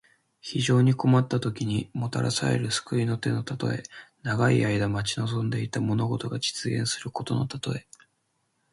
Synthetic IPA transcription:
çiʑo̞ːɲ̟iko̞mat̪ːat̪o̞kʲiɲ̟imo̞t̪a̰ɾa̰sa̰e̞̰ɾɯ̟sɨ̥kɯ̟ino̞t̪e̞no̞t̪at̪o̞̰e̞̰naɡaiaid̪amat͡ɕino̞zõ̞nd̪e̞it̪amo̞no̞ɡo̞t̪o̞ɡad͡ʑi̥t͡sɨɡẽ̞ɰ̃sɨɾɯ̟ko̞t̪o̞̰no̞̰t̪at̪o̞e̞

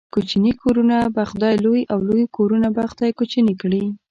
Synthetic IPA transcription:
kot͡ʃinikʰoɾunabaxd̪ɑjlojʔawlojkoɾunabaxd̪ɑjkot͡ʃinikɽi

